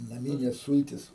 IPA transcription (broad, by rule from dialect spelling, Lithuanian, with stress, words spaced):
nɐˈmʲiːnʲeːs ˈsʊlʲtʲɪs